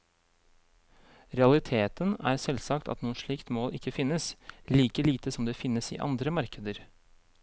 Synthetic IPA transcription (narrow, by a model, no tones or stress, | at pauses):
ɾɛɑlɪt̪ʰeːt̪ənæ̰ːɾsɛlsɑkt̪ʰɑ̰t̪nuːənʂɭiːkt̪moːlʔɪkːəfɪnːəsliːkəliːt̪əsɔmd̪ɛːfɪnːəsḭːʔɑ̰nd̪ɾəmɑɾkəd̪əɾ